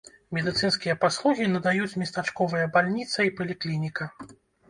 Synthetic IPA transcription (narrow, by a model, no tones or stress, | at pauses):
mʲɛd̪ɨt̪sɨnskʲijɐpaslˠuɣʲinɐd̪ajut͡sʲmʲist̪at͡ʂkɔvɨjɐbalʲnʲit̪sɐipɐlʲiklʲinʲikɐ